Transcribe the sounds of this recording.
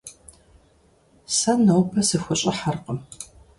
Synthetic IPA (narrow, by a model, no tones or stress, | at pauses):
sɐnɐwpʰɐsɨxʷʊɕʼɪħarqəm